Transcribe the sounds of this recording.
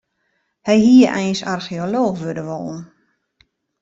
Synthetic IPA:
hɛjhiəʔɛjnsarxioloːxʋødəʋo̰lˠn̩

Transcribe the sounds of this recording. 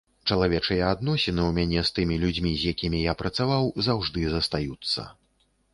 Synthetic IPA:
t͡ʂɐlˠavʲɛt͡ʂɨjɛad̪nɔsʲɛnɨwmʲanʲɛst̪ɨmʲilʲud͡zʲmʲizʲjakʲimʲijapɾɐt̪savawzawʐd̪ɨzɐst̪ajut̪sːɐ̰

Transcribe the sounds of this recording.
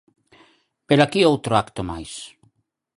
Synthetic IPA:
peɾakiowt̪ɾoakt̪omajs

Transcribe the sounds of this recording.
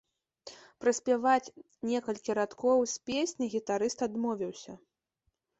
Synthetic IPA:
pɾɐsʲpʲavat͡sʲ | nʲɛkɐlʲkʲiɾat̪kɔwsʲpʲesʲnʲiɣʲit̪aɾɨst̪ad̪mɔvʲiwsʲɐ

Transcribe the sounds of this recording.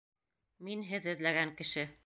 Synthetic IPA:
minɦɘðɘ̆ðlæɡæŋkɘ̆ʃɘ

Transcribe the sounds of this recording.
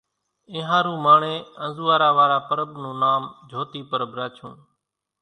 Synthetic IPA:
ẽːɦãːɾũːmaːɳeːənzuːaːɾaːʋaːɾaːpəɾəbnũːnaːmd͡ʒʱoːt̪iːpəɾəbɾaːt͡ʃʰṵ̃ːn

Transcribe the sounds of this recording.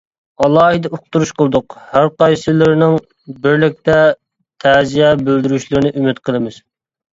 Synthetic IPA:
ɑlˠɑːɦɨd̪ɛoqt̪uɾuʃqʰəlˠd̪ʊqhæɾqɑjsɨlɪɾnɪŋ | bɪɾlɪk̚ʲt̪ɛ | t̪ʰæzijɛbøld̪yɾyʃlɪɾɪnɪʔymɪt̪qʰəlˠɨmɪz̥

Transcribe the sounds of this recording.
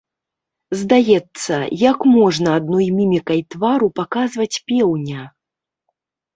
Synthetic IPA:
zd̪ajɛt̪sːɐ̰jakmɔʐnɐːd̪nɔjmʲimʲikɐjt̪vaɾupakazvɐt͡sʲpʲɛwnʲɐ

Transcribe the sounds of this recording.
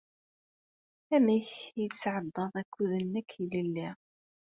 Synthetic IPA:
æmiçjəsʕəd̪ˤːəðˤækːuðənːəkʰːlilːi

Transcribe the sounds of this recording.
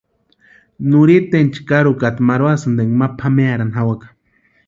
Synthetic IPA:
nuɾit̪ent͡ʃi̥kaɾukat̪maɾwasɨnd̪eŋɡmapʰameaɾanɦawakḁ

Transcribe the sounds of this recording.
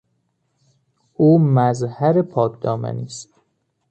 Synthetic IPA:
uːmæzhæɾepʰɒːkʰd̪̥ɒːmæ̰niːst̪

